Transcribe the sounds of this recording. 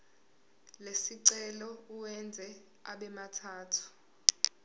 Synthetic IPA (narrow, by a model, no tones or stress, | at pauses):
lesiǀɛlɔuwɛnd͡zʱɛ | a̰ɓɛmatʰaːtʰu̥